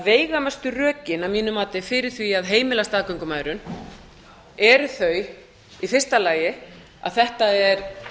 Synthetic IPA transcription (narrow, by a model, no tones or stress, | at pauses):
veːjɣamast̪ʏrœːcɪnavmiːnʏmaːt̪ɪfɪɾɪɾ̥θviaðɦeːjmɪlast̪aːðkœɥŋkʏmaːjɾʏn | ɛɾʏθœɥ | ifɪr̥st̪alaːjɪ | a̰ðθɛht̪aɛɾ